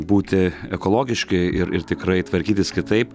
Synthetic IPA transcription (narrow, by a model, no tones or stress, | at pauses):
buːt̪ʲɪɛkoːlˠoːɡʲɪʃʲkʲɐɪɾɪ̰ɾt̪ʲɪkɾɐɪt̪ʋɐɾʲkʲiːt̪ʲɪskʲɪt̪ɐɪpp